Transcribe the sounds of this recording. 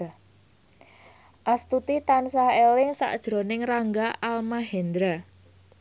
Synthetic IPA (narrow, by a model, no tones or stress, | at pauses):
ʔast̪ut̪it̪ansaelɪŋsa̰ʔd̥ʒ̥ɾo̤nɪŋraŋɡaʔalmaɦɛnd̪ɾa